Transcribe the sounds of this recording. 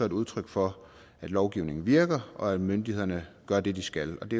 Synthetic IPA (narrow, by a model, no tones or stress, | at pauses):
ɒe̝duð̞ˠt͡sʰʁœɡ̥fɒ | æd̥lɒʊɡ̥iʊne̝ŋn̩ʋiɐɡ̥ɐʔɒ̽æd̥mønd̥ihe̝ðˠɐnəɡ̥ɶɐd̥e̝d̥isɡ̥ælɒ̽d̥e̝